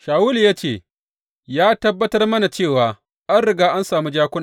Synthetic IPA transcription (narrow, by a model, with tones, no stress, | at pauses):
ʃaː˨wuː˦lja˦t͡ʃeː˦˨ | jaː˦tɐ˦bːɐ˦tɐ˦rmɐ˦na˨t͡ʃeː˦˨waː˨ | ʔa˦nɽɪ˨ɡaː˦ʔa˦nsaː˨mu˦d͡ʒaː˦kʷʊ˦n˨